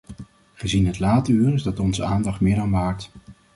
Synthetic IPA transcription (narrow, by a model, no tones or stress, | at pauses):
χəzinɦətlaːtəyːrɪzdɑtɔnzəaːndɑχtmɪːɾanʋaːɹt